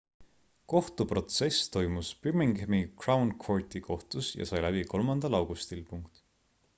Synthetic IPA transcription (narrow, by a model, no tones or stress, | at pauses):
ko̞ht̪upro̞t̪se̞st̪o̞jmuspymiŋɡæmikrɑwnkʰwoɹt̪ikʰo̞ht̪usjɑ̰sɑjlæbiko̞lmɑnd̪̥ɑlɑwɡ̥ust̪ilpuŋkt̪